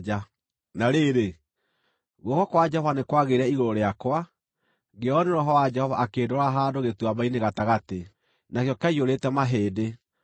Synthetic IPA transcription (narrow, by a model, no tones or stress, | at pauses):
d͡ʒa | naɾeɾe | ɣɔkɔkwad͡ʒɛhɔvanekwaɣeɾɛiɣoɾoɾeakwa | ɡeɔneɾɔɦɔwad͡ʒɛhɔvaːkeːdɔɾaɦandoɣetwamaineɣataɣate | nakjɔkaioɾetɛmaɦeːde